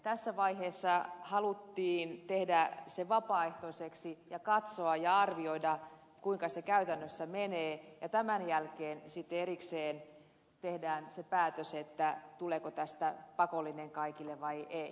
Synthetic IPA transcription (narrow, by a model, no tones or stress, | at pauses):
t̪æsːæʋɑiheːsːɑhɑlut̪ːiːnt̪ehdæseʋɑpɑːeht̪oiseksijɑkɑt̪soɑjɑɑrʋioidɑ | kuiŋkɑsekæyt̪ænːøsːæmeneːjɑt̪æmænjælkeːnsit̪ːeeɾikseːn | t̪ehdæːnsepæːt̪øset̪ːæt̪uleːkot̪æst̪æpɑkolːineŋkɑikilːeʋʋɑiʔei